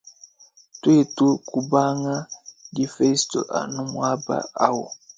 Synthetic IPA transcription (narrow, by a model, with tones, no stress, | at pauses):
twe˦˨tu˦ku˦ba˦ŋa˦di˦fe˦sto̰˨ʔa̰˨nu˦mwa˦ba̰˦a˦wɔ˨